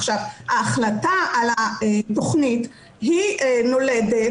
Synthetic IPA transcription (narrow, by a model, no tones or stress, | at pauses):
χʃavaːχlataalaeto̞χnit | ɦino̞ledet